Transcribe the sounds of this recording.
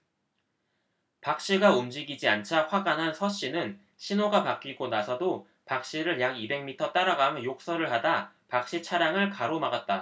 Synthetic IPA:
pak̚ɕ͈iɡaumd͡ʑiɡid͡ʑiant͡ɕʰaɸwaɡanɦansʰʌɕ͈inɯn | ɕʰinoɡapak͈iɡonasʰʌdo | pak̚ɕ͈iɾɯɭjaɡibe̞ŋmitʰʌt͈aɾaɡanjok̚s͈ʌɾɯɭhada | pak̚ɕ͈it͡ɕʰaɾjaŋɯɭkaɾomaɡat̚t͈a

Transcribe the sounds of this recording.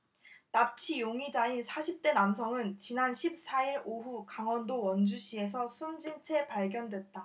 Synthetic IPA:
nap̚t͡ɕʰijoŋid͡ʑainsʰaɕʰip̚t͈e̞nams̬ʰʌŋɯnt͡ɕinanɕʰip̚s͈aiɾoɦukaŋwʌndowʌnd͡ʑuɕʰie̞s̬ʰʌsʰumd͡ʑint͡ɕʰe̞paɭɡjʌndwe̞t̚t͈a

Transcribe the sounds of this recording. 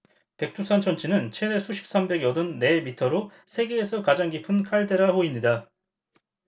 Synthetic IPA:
pe̞k̚tʰusʰant͡ɕʰʌnt͡ɕʰinɯnt͡ɕʰenesʰuɕʰi̥p̚s͈ambe̞ɡjʌdɯnːe̞mitʰʌɾo | sʰe̞ɡe̞ːsʰʌkad͡ʑaŋɡipʰɯnkʰaɭde̞ɾahoimɲida

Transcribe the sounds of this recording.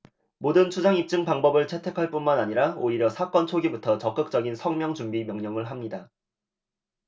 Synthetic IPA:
modɯnt͡ɕʰud͡ʑaŋip̚t͡ɕ͈ɯŋpaŋbʌbɯɭt͡ɕʰe̞tʰe̞kʰaɭp͈unmanaɲiɾaoiɾjʌsʰak͈ʌnt͡ɕʰoɡibutʰʌt͡ɕʌk͈ɯk̚t͡ɕ͈ʌɡinsʰʌŋmjʌŋt͡ɕumbimjʌŋɲʌŋɯɭɦamɲida

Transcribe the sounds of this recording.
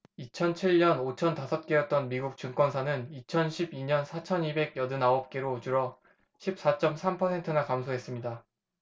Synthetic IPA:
it͡ɕʰʌnt͡ɕʰiɭɲʌnot͡ɕʰʌntasʰʌp̚k͈ejʌt̚t͈ʌnmiɡuk̚t͡ɕuŋk͈wʌnsʰanɯnit͡ɕʰʌnɕʰibiɲʌnsʰat͡ɕʰʌnibe̞ɡjʌdɯnaʌp̚k͈e̞ɾod͡ʑuɾʌ | ɕʰip̚s͈at͡ɕ͈ʌmsʰampʰʌsʰe̞ntʰɯnakamsʰoɦe̞s͈ɯmɲida

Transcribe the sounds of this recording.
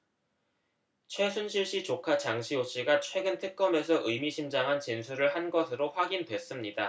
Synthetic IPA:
t͡ɕʰwe̞sʰunɕʰiɭɕ͈it͡ɕokʰat͡ɕaŋɕʰioɕ͈iɡat͡ɕʰwe̞ɡɯntʰɯk̚k͈ʌme̞s̬ʰʌʔɯmiɕʰimd͡ʑaŋɦant͡ɕinsʰuɾɯɭhanɡʌsʰɯɾoɸwaɡindwe̞s͈ɯmɲida

